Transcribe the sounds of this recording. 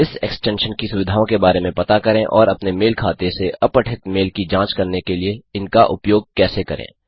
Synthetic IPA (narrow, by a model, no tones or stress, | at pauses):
ɪsɛ̰ksʈɛ̃ːnʃənkisʊʋɪd̪ʱaːõkebaːɾemẽpɐt̪akɐɾẽʔɔːɾɐpnemeːlkʰaːt̪eseʔɐpəʈʰɪt̪meːlkid͡ʒãːt͡ʃkɐɾnekelieɪnkaʔʊpjoːɡ̚kɛːsekɐɾʔḛ̃ː